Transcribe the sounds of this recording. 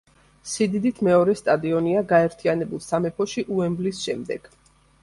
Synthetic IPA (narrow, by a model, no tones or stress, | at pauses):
sid̪id̪it̪ʰmɛɔɾɛst̪ʼad̪iɔniaɡaɛɾt̪ʰianɛbulˠsamɛpʰɔʃiʔuɛmblisʃɛmd̪ɛɡ̥